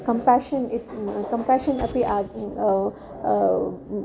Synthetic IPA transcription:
kɐ̃mpaʃənikɐ̃mpaːʃənɐpiʔa

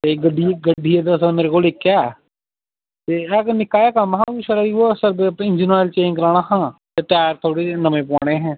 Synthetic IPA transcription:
t̪eɡəɖiɡəɖʱijed̪əsəmeːɾekoːlɪkːaː | t̪eɛːknɪkːaːjakamɦãːiʃəɾaiʋosəɾbpːɪnd͡ʒinaːlt͡ʃeːnkəɾaːɽ̃aːɦãːt̪et̪ɛːɾt̪ʰoːɽenəmẽːp̬ãːɽ̃ẽːɦɛ̃ː

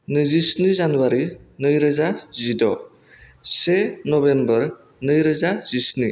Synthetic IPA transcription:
nɯzisnizanuwaɾinɯjɾəzazidɔ | senɔbembəɾ | nɯjɾəzaz̥isni

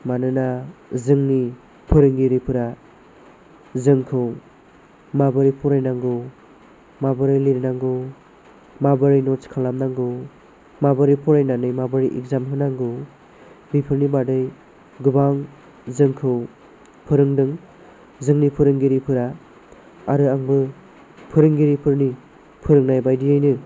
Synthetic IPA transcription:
manɯnazɯŋni | pʰɯɾɯŋɡiɾipʰɯɾa | zɯŋkʰɯw | mabɯɾipʰuɾajnaŋɡɯ | mabɯɾɯjliɾinaŋɡɯ | mabɯɾɯjnɔt͡ʃkʰalamnaŋɡɯ | mabɯɾipʰuɾajnanɯjmabɯɾiʔḭk̚zamɦɯnaŋɡɯ | bipʰɯɾnibadɯj | ɡubaŋ | zɯŋkʰɯw | pʰɯɾɯŋdɯŋ | zɯŋnipʰɯɾɯŋɡiɾipʰɯɾa | aɾɯaŋbɯ | pʰɯɾɯŋɡiɾipʰɯɾni | pʰɯɾɯŋnajbajdijajnɯ

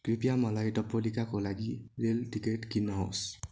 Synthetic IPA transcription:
kɹipijamɔlajtɔpːolikakɔlaɡiɹeltiketkinɔɦɔ̰s

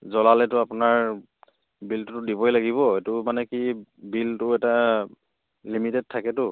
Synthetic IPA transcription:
zɔlalɛtʊapʊnaɹ | biltʊtʊdibɔjlaɡiβɔetʊmanɛkibiltʊɛta | limitɛd̚tʰakɛtʊ

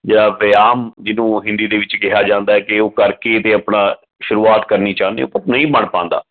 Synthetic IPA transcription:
d͡ʒeːɽaːʋɪjaːmd͡ʒɪnũːɦɪ̃nd̪iːd̪eːʋɪt͡ʃkɪɦaːd͡ʒãːnd̪aːɛːkɪoːkəɾkeːt̪eːəpɳãː | ʃʊɾuːaːt̪kəɾniːt͡ʃaːnḛ̃o̰pətnəĩːbəɳpãːnd̪a̰ː

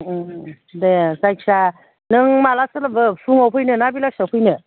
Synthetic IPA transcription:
desajksa | nɯŋmalasɯlabɯpʰuŋawpʰɯjnɯnabilasawpʰɯjnɯ

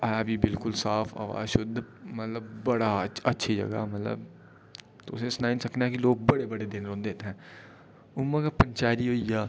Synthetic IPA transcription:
ɛbʱibɪlkʊlsaːfʰa̰ːʋa̰ːzʃʊd̪ʱːmət̪ləbːəɽaətːʃʰid͡ʒə̰ɡa̰ːmət̪lə̰b̚ | t̪oʊsesnaːinsəkneɛkiloːɡ̚bəɽebəɽed̪ɪnɾõːnd̪eːt̪eɦɛ̃ː | ʊmːəkapəɲt͡ʃaːɾiɦoːijaː

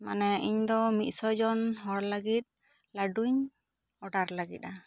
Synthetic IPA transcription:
manɛʔiɲd̪ɔmit̪̚ˀsɔd͡ʒɔnɦɔɽləɡit̪̚ | laɖuɲ | ɔɖaɾlaɡḭt̪̚a

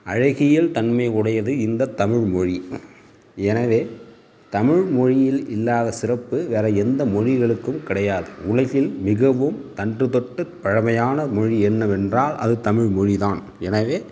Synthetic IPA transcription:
ʔɐɻɐɣɪjɪlt̪ɐnmɐɪʊɽɐjɐðɯɪnd̪ɐt̪ːɐmɪɻmɔɻi | ɛnɐʋeː | t̪ɐmɪɻmɔɻɪjɪlɪlːaːðɐsɪrɐpːɯʋeːɾɐɛnd̪ɐmɔɻɪɣɐɭɯkːɯmkɪɽɐjaːðɯʊlɐɣɪlmɪɣɐʋɯmt̪ɐndrɯðɔʈːɯpɐɻɐmɐjaːnɐmɔɻiɛnːɐʋɛndraːlʔɐ̰ðɯt̪ɐmɪɻmɔɻiðaːn | ɛnɐʋeː

